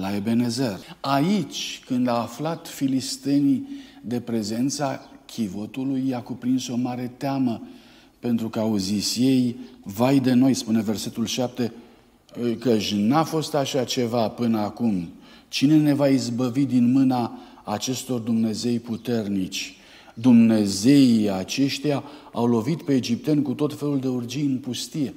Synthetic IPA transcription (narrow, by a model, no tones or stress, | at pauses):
lae̞be̞ne̞zerait͡ʃʲkɨnd̪aːflat̪filist̪e̞nid̪e̞pɾe̞ze̞nt̪sakʲʰivo̞t̪ulujakupɾinso̞maɾe̞t̪eamə | pe̞nt̪ɾukəauzisje̞jvajd̪e̞no̞jspune̞ve̞rse̞t̪ulʃap̚t̪e̞ | kəʃʲnafo̞st̪aʃat͡ʃe̞vapɨnəakum | t͡ʃine̞ne̞vaizbəvid̪inmɨnaː | t͡ʃe̞st̪o̞rd̪umne̞ze̞jput̪e̞rnit͡ʃʲ | d̪umne̞ze̞iat͡ʃe̞ʃt̪ejaawlo̞vit̪pe̞ːd͡ʒip̚t̪e̞nkut̪o̞t̪fe̞luld̪e̞urd͡ʒijɨnpust̪ije̞